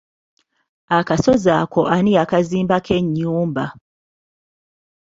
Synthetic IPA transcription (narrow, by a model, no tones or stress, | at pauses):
akasozakoʔaniakaziːmbakʰeɲːuːmba